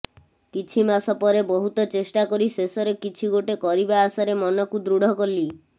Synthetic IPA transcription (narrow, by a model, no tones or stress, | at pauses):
kit͡ʃʰimasɔpɔɾebɔɦut̪ɔt͡ʃesʈakɔɾisesɔɾekit͡ʃʰiɡoʈekɔɾibaːsaɾemɔnɔkud̪ɾuɽ̤ɔkɔli